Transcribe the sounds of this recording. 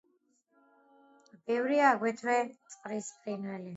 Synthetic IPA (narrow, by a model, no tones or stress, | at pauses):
b̥ɛvɾiaːɡwɛt̪ʰvɛt̪sʼqʼɾispʰʼinɛli